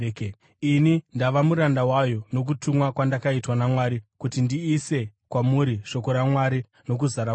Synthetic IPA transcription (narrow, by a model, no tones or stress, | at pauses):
inindaʋamuɾandawajono̞k̬utumwakwandakaitwanamwaːɾikutindiːse̞kwamuɾiʂo̞ko̞ɾamwaɾi | no̞k̬uzaɾa